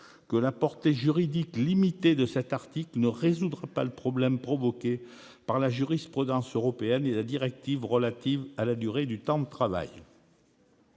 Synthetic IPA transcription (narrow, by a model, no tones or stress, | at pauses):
kəlapɔʁt̪eʒyʁid̪iklimit̪ed̪əsɛt̪aʁt̪iklnəʁezud̪ʁapaləpχɔblɛmpχɔvɔkʲe | paʁlaʒyʁispχyd̪ɑ̃søʁɔpeɛnelad̪iʁɛk̚t̪ivʁəlat̪ivalad̪yʁed̪yt̪ɑ̃d̪ət̪χava̰j